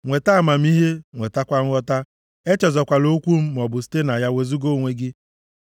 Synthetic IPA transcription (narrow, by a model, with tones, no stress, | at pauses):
ŋʷe˨ta˦˨ma˨m̩˦i˦ɦe˦ŋʷe˨ta˦kʷa˦ŋ̩˦ɔ˦ta˦ | e˦t͡ʃɔ˨zɔ˨kʷa˨lo˦kʷu˦m̩˦m˨ɔ˨bʊ˨s̬i̥˦te˦na˨ja˦we˨zu˦ɡo˦˨ŋʷe˦ɡɪ˦